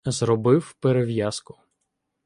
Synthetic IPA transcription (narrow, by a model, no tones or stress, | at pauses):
zrɔbɪwpeɾeʋjaskʊ̥